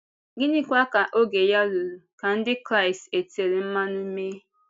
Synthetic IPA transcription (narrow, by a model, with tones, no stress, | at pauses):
ɡɪ˦nɪ˦kʷa˦ka˨ʔo˦ɡe˨ja˦ɾu˨ɾu˨ka˨n̩˦dɪ˦kɾa˦ɪ˨ste˨te˨ɾe˨m̩˦ma˦nu˦m̩˦me˦